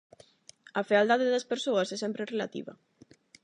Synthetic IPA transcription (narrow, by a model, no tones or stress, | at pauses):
ɐfeald̪aðeðɐspeɾsoɐsɛsɛmpɾerela̰t̪ḭβɐ̰